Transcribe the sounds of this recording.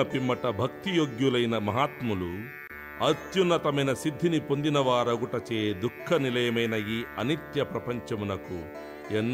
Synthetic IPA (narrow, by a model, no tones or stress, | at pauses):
ɐpimːɐʈɐbʱɐk̚t̪ijoːɡjulɐjnɐmɐɦaːt̪mulu | ɐt̪junːɐt̪ɐmɐjnɐsid̪ʱːinipond̪inɐʋaːɾɐɡuʈɐt͡ʃeːd̪ukʰːɐnilɐjɐmɐjnɐjiːɐnit̪jɐpɾɐpɐɲt͡ʃɐmunɐkṵ | ɛnː